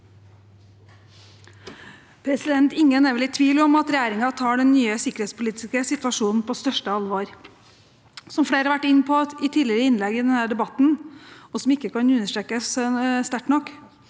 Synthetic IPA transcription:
pʰɾɛsɪd̪ɛnt̪ɪŋːənɛɾʋɛlɪt̪ʰʋiːlɔmɑt̪ɾɛjæːɾɪŋɑt̪ʰɑːɖɛnːyːəsɪkəɾheːt̪spʊliːt̪ɪskəsɪt̪ʋɑʂuːnn̩pʰoːst̪œʂʈəɑlʋoːɾ | sɔmfɽeːɾhɑɾʋæʈːɪnːpʰɔɪt̪ʰiːlɪɾəɪnlɛɡɪd̪ɛnhæːɖɛbɑt̪n̩ɔsɔmɪkːəkʰɑnʉnːəʂʈɾeːkəsst̪æʈnɔkː

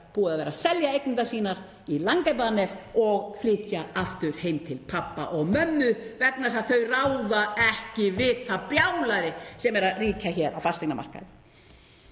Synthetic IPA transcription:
puːaðaðvɛːɾasɛljaejknʏnt̪asiːnaɾ̥ | ilaŋkap̬anɛɾ̥ɔɣflɪːt̪jaaft̪ʏɾ̥hejmt̪ʰɪlpʰapːa̰ʔɔɣmœnːʏvɛknasaðθœɥrawðaɛhcɪvɪðθapjawlaɾɪsɛmɛɾaðriːcaçɛɾʔa̰wfast̪eknama̰r̥ka̰ðɪ

